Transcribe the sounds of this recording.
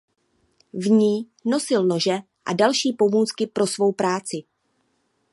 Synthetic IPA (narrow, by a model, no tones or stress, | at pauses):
vɲiː | no̞sɪlno̞ʒɛ | ʔa̰dalʃiːpo̞muːt͡skɪpɾo̞svo̞wpɾaːt͡sɪ